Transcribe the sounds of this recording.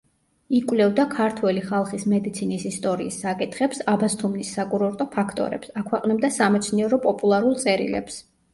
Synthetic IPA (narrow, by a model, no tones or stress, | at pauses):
ikʼwlɛvd̪akʰaɾt̪ʰwɛliχalˠχismɛd̪it̪sʰinisist̪ʼɔɾiːsːakʼit̪ʰχɛpsabast̪ʰumnisːakʼuɾɔɾt̪ʼɔpʰakʰt̪ʼɔ̰ɾɛ̰psakʰwɛqʼnɛb̚d̪asamɛt̪sʰniɛɾɔpʼɔpʼulˠaɾulˠt̪sʼɛɾḭlɛ̰ps